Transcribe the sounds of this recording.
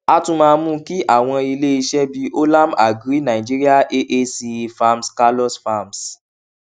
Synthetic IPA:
a˦tũ˧˦mãː˧mũ˦ki˦ʔa˦˨w̃ɔ̃˧i˧le˦i˧ʃɛ˦bi˧o˦la˦ma̰˨ɡɾi˦nã˨i˨d͡ʒi˦ɾi˦a˦ʔe˦ʔe˦si˧fa˧mska˧lɔ˦sfa˦˨ms

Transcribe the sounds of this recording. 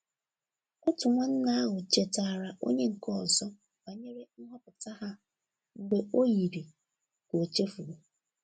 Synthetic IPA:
ɔ˦tʊ˨ŋʷa˦n̩˦na˦a˦ɦʊ˨t͡ʃe˨ta˨ɾa˨ʔo̰˦ɲe˦ŋ̩˨kɔ˦˨zɔ˦ | ba˨ɲe˦ɾe˦n̩˦ɦɔ˦pʊ˨ta˦ɦa˦ | ŋ̩˨ɡ͡be˦o˦ji˨ɾi˨ | ko˨t͡ʃe˦fu˨ɾu˨

